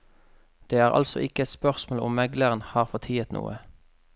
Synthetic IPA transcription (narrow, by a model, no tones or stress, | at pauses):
d̪̥eːæːʁʔɑ̰lsɔ̰ʔɪkəɛt̪spœʁsmoːlʊ̰mːɛɡləʁənhɑːʁfɔt̪ʰiːət̪nṵːə